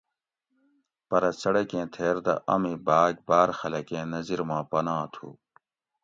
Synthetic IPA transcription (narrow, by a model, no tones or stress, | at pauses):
pɐɾɐsɐɽɐkẽːt̪ʰeːɾd̪ɐ̰ʔɐmibaːɡ̚baːɾxɐlɐkẽːnɐziɾmãːpɐnãːt̪ʰṵː